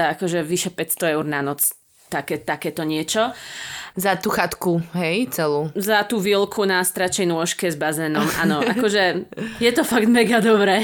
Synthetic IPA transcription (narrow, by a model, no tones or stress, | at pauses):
aakɔʒɛʋiʃɛpɛcst̪ɔɛʊɾnanɔt͡s | t̪akɛt̪akɛːt̪ɔɲɪɛt͡ʃɔ | zat̪uːxat̪kuɦɛjt͡sɛluːzat̪uːʋilkʰunast̪ɾat͡ʃɛnʊɔʃkɛzbazɛːnɔmʔa̰ːnɔʔakɔʒɛjɛt̪ɔfaɡd̪mɛɡad̪ɔbɾɛː